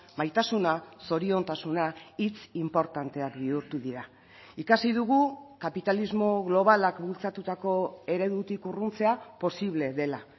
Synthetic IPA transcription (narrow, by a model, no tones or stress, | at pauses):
majt̪asunaso̞ɾio̞nt̪asunait͡simpo̞ɾt̪ant̪e̞akbiuɾt̪uðiɾa | ikasiðuɣ̞ukapit̪alizmo̞ɣlo̞β̞alakbult͡sat̪ut̪ako̞e̞ɾe̞ðut̪ikurunt͡se̞apo̞siβ̞le̞ðe̞la